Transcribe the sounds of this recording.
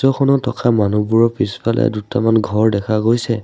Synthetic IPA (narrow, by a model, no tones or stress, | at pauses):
ɔkʰɔnɔtʰɔkamanubuɹɔpispalɛ̰dutamanɡʱɔɹdɛkʰaɡojsɛ